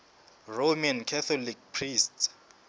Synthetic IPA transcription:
romankʰɛθʰɔlik̚pʰrists

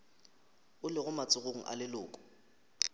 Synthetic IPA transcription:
ʊlɪɣʊmat͡sʼʊɣoŋ̩ʔa̰lɪlʊːkʼʊ̥

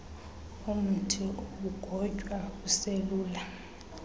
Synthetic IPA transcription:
um̩tʰiok̬uɡ̥ʱɔd͡ʒʼʱwakuseluːla

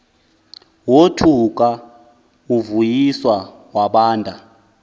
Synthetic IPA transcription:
wotʰuk̬ʼa | uvujiswa | waɓaːndʱʼa

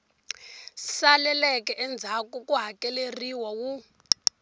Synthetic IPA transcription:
salɛlɛkɛʔɛnd͡zʱakukuɦakɛleriwawu

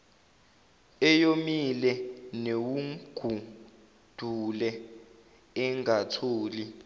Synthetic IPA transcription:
ɛjomilɛnewuɡ̥ʱu | d̥ʱulɛ | ɛŋʱatʰoːli

